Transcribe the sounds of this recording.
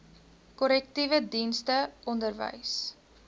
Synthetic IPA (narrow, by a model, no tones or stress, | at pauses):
kɔlɛk̚tivədinstəʔɔndərvə̰js